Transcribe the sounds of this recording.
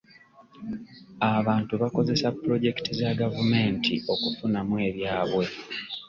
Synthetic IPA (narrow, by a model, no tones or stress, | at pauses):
aβaːntuβako̞ze̞sapːɾo̞ɟe̞ktizaɡavume̞ntʰḭo̞kufunamwe̞ːβjaːβwe̞